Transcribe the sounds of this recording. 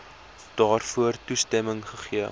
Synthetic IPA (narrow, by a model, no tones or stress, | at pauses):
d̥ɑːrfuərtustɛməŋχəχiə